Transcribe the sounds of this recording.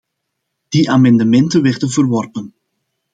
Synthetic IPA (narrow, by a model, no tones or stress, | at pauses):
d̥iʔaːmɑndəmɛntəʋɛrdənvərʋɔrpən